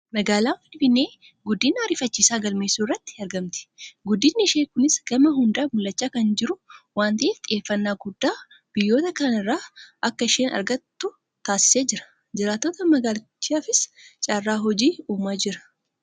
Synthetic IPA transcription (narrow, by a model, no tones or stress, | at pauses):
mɐɡaːlaːfɪnfɪnːe̞ː | ɡʊd̪ːiːnaːɾɪfɐt͡ʃːiːsaːɡɐlme̞ːsuːrːɐt̪ːɪ̥ɐɾɡɐmt̪ɪ̥ɡʊd̪ːiːnːɪɪʃeːkʊnɪsɡ̥ɐmɐɦʊnd̪aːbʊlːɐt͡ʃːaːkɐnd͡ʒɪɾʊwaːnt̪ɐʔeːft̪ʼɪʔe̞ːfːɐnːaːɡʊd̪ːaː | b̥ɪjːo̞ːt̪ɐkɐnɪrːaːʔɐkːɐɪʃeːnɐ̰ɾɡɐt̪ːʊ | t̪aːsɪ̥seːd͡ʒɪɾɐ̥ | d͡ʒɪɾaːt̪ːoːt̪ɐmɐɡaːlɐt͡ʃːiafɪst͡ʃʼaːrːaːɦɔd͡ʒiːuːmaːd͡ʒɪɾɐ̥